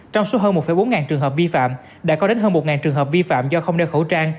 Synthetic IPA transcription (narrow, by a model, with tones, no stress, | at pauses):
t͡ɕɔ˧wŋ͡mso˨˦ɦəː˧nm˨˩t̚fə˧˩jɓo˨˦nŋaː˨˩nt͡ɕɨ˨˩əŋɦəː˨˩p̚vi˧fa̰ː˧˨m | ɗa̰ː˧˥kɔ˨˦ɗe˨˦nɦəː˧nmo˨˩t̚ŋaː˨˩nt͡ɕɨ˨˩əŋɦəː˨˩p̚vi˧fa̰ː˧˨mzɔ˧xə˧wŋ͡mɗɛ˧wxo˧˩t͡ɕaː˧ŋ